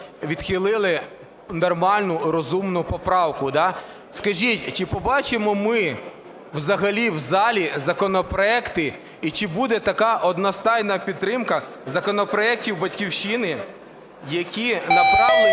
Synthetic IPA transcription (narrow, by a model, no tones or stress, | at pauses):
ʋʲid̪̥xɪlˠɪlˠɪ | nɔrmɑlʲnʊɾɔzumnʊpɔpɾɑwkʊd̪ɑ | skɐʒʲitʲt͡ʃɪpɔbɑt͡ʃɪmɔmɪ | wzɐɦɐlʲiwzɑlʲizɐkɔnɔpɾɔɛkt̪ɪ | it͡ʃɪbud̪ɛt̪ɐkɑʔɔd̪nɔst̪ɑjnɐpʲid̪̚t̪ːɾɪmkɐ | zɐkɔnɔpɾɔɛk̚tʲiwbɐtʲkʲiwʃinɪ | jɐkʲinɐpɾɑ